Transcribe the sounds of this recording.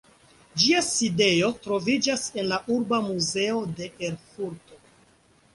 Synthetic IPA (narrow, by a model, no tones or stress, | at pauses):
d͡ʒiaside̞o̞tɾo̞vid͡ʒase̞nlaʔuɾbamuze̞o̞de̞ʔeɾfuɾto̞